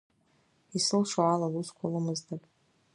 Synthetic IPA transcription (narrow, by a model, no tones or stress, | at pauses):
isɨlʂaʕalaluskʷʰalɨmɨzdʰapʼ